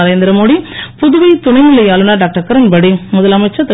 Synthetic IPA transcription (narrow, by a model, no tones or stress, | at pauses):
ɐɾeːnd̪ɪɾɐmoːɽipʊðʊʋɐɪt̪ʊnɐɪmɯlːɐjaːlɯnaːɖaːk̚ʈɐɾkɐɾɐnbɐɽimʊðɐlɐmɐɪt͡ʃːɐt̪ːɐ